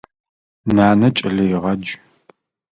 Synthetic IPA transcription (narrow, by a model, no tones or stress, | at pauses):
naːnɐt͡ʃʼɐɮɐjɪʁɐd͡ʒ